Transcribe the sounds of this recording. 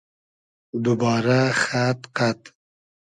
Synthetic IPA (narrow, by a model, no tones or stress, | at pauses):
d̪ubɑːɾaxat̪qat̪